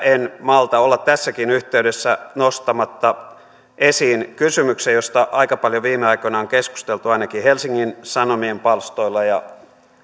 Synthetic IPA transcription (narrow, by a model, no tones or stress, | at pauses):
enmɑlt̪ɑolːɑt̪t̪æsːækinyht̪e̞ydesːænost̪ɑmɑt̪ːɑ | ʔesiːnkysymyksejo̞st̪ɑʔɑikɑpɑljoʋiːmeɑikonɑoŋkesku̥st̪elt̪uɑinɑkihelsiŋːinsɑnomiempɑlst̪o̞ilːɑjɑ